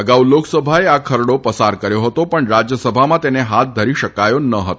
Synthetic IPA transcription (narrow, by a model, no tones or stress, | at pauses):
əɡauloksəbʱaeakʰəɾɽopəsaɾkəɾjoɦət̪opəɳɾad͡ʑjəsəbʱamãt̪eneɦat̪̚d̪ʱəɾiʃəkajonəɦət̪o